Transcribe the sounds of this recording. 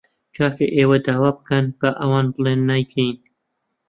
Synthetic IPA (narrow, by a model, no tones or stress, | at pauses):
kʰaːkeʔeːwɐd̪aːwaːbɨkɐnb̥ɐʔɐwɑːnbɨlˠeːnːajkʰejn